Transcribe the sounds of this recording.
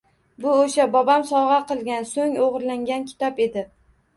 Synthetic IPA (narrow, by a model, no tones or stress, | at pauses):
bʊoʃabɒbamsɒʁɑqɨlˠɡʲansoŋoʁɾlaŋɡʲankʲʰɪ̥t̪ʰɒpe̞d̪ɪ